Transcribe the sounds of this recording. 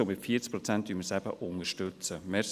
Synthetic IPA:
omɪtfiːət͡sk̚pɾɔt͡sɛntdyməsæbə̰ʔʊŋəʃtʏt͡səmɛs

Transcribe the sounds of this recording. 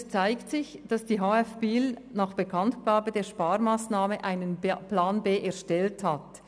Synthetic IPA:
st͡saɪktsɪçd̥asd̥iːɦaːɛfb̥iːlnaːχb̥əkʰantɡ̥aːbədeːɐʃpaːʁmaːsnaːməʔaɪnənplaːnbeːʔɛɐʃtɛlthat

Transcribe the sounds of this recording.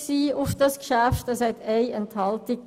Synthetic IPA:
siːʊfd̥ɑskʃæftəshɛteɪɛnthɑltɪk̚

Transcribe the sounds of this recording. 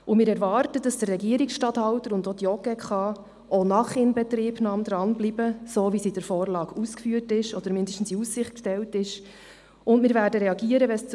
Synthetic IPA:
ʊmɪːɾɛɾvɑːɾtəd̥ɑsd̥ərːɛɡiəɾiksʃtɑthɑltəɾʊndɔdjɔɡɛkχɑ | onɑχɪnbɛtriːbnɑːmd̥̪ɾɑnblibəsoːvisidəɾfɔːɾlɑːɡ̥uskfyːəɾtɪʃɔd̥̪əɾmɪndəʃtn̩siussɪχtkʃtɛwtɪʃ | ʊndmɪːɾvæːɾdəɾɛɑɡiːəɾəʋɛs

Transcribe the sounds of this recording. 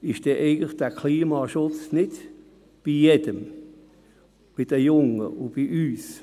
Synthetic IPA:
ɪʃd̥ɛːʔɛɪɡn̩tləχd̥ækʰliːmɑːʃʊt͡snɪd | b̥ijɛd̥əm | b̥id̥əjʊŋə̰ʊb̥iʔyːs

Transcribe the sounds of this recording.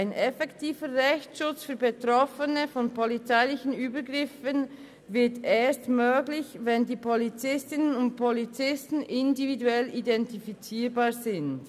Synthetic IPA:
aɪnʔɛfɛktʰiːvəʁɛçtʃʊt͡sfyːɐbetʁɔfənəfɔnpʰolit͡saɪlɪçən̩yːbəɡʁɪfən | vɪɐteːɐstmøːɡlɪçvɛndiːpʰolit͡sɪstɪnənʊnt̚pʰolit͡sɪstn̩ʔɪndividuɛlidɛntifit͡siːbaːɐzɪnd

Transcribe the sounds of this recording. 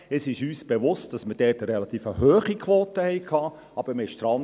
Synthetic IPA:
əsɪʃyːsb̥eʋʊst̚d̥ɑsməd̥ɛːtəɾɛlɑt̪iːfəhɦøːχikʰʋoːtəhɛɪkʰɑː | ɑb̥əmɪʃt̪ɾɑn

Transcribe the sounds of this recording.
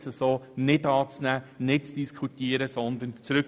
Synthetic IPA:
səsoːnɪdɑːt͡snæːnɪt̚t͡sd̥iskʰut̪iəɾəsɔnd̪ənt͡sɾɵk

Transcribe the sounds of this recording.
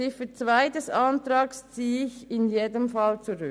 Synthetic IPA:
ɪfət͡svaɪdɛsɑntɾɑːkst͡siːɪçɪnjeːdəmfɑlt͡suɾʉ

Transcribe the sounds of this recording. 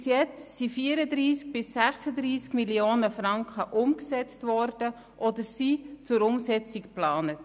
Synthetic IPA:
sjɛt͡ssifiəɾəd̪ɾiːsk̚b̥ɪsːæχsəd̪ɾiːskmilioːnəfɾɑŋkχəʔʊmksɛt͡stʋɔɾd̥ə | ʔɔdəɾsit͡sʊɾʊmsɛt͡sikplɑːnət

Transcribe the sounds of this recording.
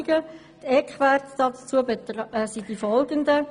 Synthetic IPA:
ɡ̥ə | t̪ɛkχʋærtd̥ɑtt͡suəbetsid̥ifɔlɡənd̪ə

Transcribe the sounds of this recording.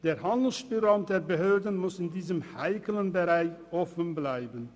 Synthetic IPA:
d̥eːʁhandl̩sb̥yʁamd̥eːbəɦøːdən̩mʊsɪndiːzəmhaɪkələnbəʁaɪçʔɔfən̩blaɪbən

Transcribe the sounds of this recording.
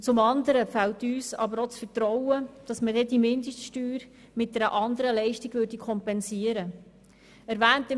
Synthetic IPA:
t͡sʊmɑnd̪əɾəfɛltyːsɑ̰bəɾot͡sfəɾtɾɔwəd̥ɑsmədɛdimɪndəʃtʃtyːɾ | mɪt̚dɛɾəʔɑnd̪əɾəlɛɪʃtiɡ̥vʏːɾdikʰɔmpɛnsiəɾə | ɛɾvæːntə

